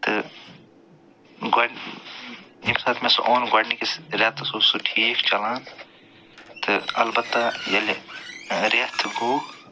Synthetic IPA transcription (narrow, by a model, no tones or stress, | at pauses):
t̪ɨ | ɡɐɖ | imsaːt̪ʰmesṵʔoːnɡɐɖnikisɾɐt̪ɐsuːsuʈʰiːkt͡ʃɐlaːn | t̪ʰɨɐlbɐt̪ːajɐl | ɾɐt̪ʰɡuː